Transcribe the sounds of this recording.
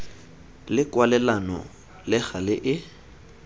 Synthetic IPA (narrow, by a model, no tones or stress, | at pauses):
lɪkwalɛlanɔ̰ | lɪk͡xalɪʔɪ